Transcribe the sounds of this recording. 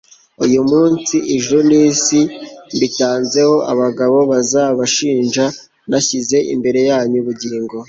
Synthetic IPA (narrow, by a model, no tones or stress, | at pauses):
ujumuːnsiʔiʒuniːsimbitaːnze̞ho̞ʔaβaɡaβo̞βazaβaʃiːnʒa | naçize̞ʔḭmbe̞ɾe̞jaːɲuβuɟiːŋɡo̞